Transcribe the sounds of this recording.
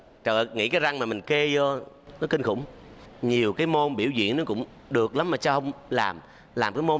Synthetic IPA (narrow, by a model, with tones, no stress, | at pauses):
t͡ɕə̰ː˧˨ŋḭ˧˥kaː˨˦jza˧ŋmaː˨˩mï˨˩ŋ̟ke˧zɔ˧ | nɔ˨˦˥ki˧ŋ̟xʊ̰˧˥wŋ͡mɲi˨˩əwkaː˨˦jmo˧nɓḭ˧˩əwzḭ˧˨ənɔ˨˦kʊ̰˧˥wŋ͡m | ɗɨ˨˩ək̚la˨˦mmaː˨˩t͡ɕa˧hə˧wŋ͡mlaː˨˩m | laː˨˩mkaː˨˦jmo˧